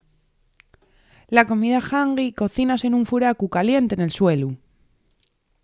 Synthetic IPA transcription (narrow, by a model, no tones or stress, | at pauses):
lako̞miðaxaŋɡiko̞θinase̞nũɱfuɾakukalje̞nt̪e̞ne̞lswe̞lu